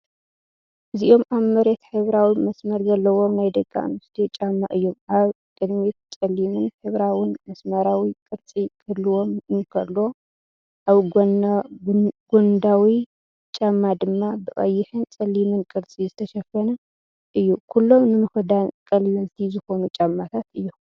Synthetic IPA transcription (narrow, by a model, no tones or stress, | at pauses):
ʔɨziʔo̞mʔaβmːɐɾet̪ħɨβɾawimɐsmɐɾzɐlːɐwo̞mnajd̪ɐɡʼːa̰nɨst̪ʰet͡ʃʼamːaʔɨjːo̞maβ | kʼɨd̪mit̪t͡sʼɐlːimɨnħɨβɾawinmɐsmɐɾawikʼɨɾt͡sʼikʰʼɐd̪lɨwo̞mɨnkʰɐlːo̞ | ʔaβɡ | ɡond̪awi | t͡ʃʼamːad̪ɨmːabɨkʼɐjːɪħɨnt͡sʼɐlːimɨnkʼɨɾt͡sʼizɨt̪ʰɐʃɐfɐnɐ | ʔɨjːukʰulːo̞mnɨmɨfɨd̪ankʼɐlːɐzt̪ʰizɨxo̞nut͡ʃʼamːat̪ʰat̪ɨjːu